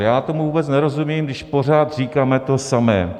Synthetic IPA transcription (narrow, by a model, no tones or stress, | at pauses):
jaːt̪o̞muvuːbɛt͡snɛɾo̞zumiːmdɪʃpo̞r̝aːt̪r̝iːkaːmɛt̪o̞samɛ̰ː